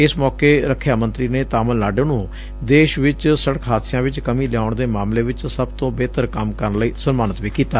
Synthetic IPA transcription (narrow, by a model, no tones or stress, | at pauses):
ɪsmɔːkeːɾəkʰːjaːmə̃nt̪ɾiːneːt̪aːməlnaːɖeːnũː | d̪eːʃʋɪt͡ʃsəɽəkʰɦaːd̪sɪjãːʋɪt͡ʃkəmĩːljaːʊɳd̪eːmaːmleːʋɪt͡ʃsəbt̪õːbeːt̪əɾkəmkəɾnləiːsənmaːnət̪ʋiːkiːt̪aː